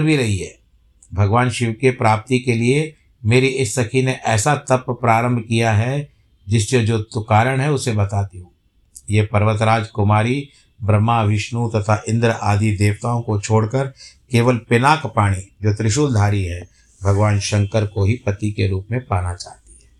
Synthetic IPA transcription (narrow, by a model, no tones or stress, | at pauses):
bʱiɾɐɦiɦɛː | bʱɐɡʋaːnʃɪʋkepɾaːp̚t̪ikelie | meːɾiɪsːɐkʰineʔɛːsat̪ɐpːpːɾaːɾə̃mbʱkijaɦɛ | d͡ʒɪst͡ʃed͡ʒoːt̪ʊkaːɾəɽ̃ɦɛʊsebɐt̪aːt̪iɦũː | jepɐɾʋət̪ɾaːd͡ʒkʊmaːɾi | bɾəmːaʋɪʃnut̪ɐt̪ʰaʔɪ̃nd̪ɾəʔaːd̪ʱid̪eːʋt̪aːõkot͡ʃʰoːɽkəɾkeːʋəlpɪnaːkpaːɽ̃id͡ʒoːt̪ɾɪʃuːld̪ʱaːɾiɦɛː | bʱɐɡʋaːnʃɐ̃ŋkəɾkoɦipɐt̪ikeɾuːpmẽpaːnat͡ʃa̰ːɦt̪iɦɛː